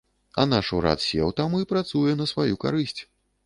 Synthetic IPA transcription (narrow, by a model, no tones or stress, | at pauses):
ɐnaʂuɾa̰t̪sʲḛwt̪amuipɾat̪sujɛnɐsvajuka̰ɾɨsʲt͡sʲ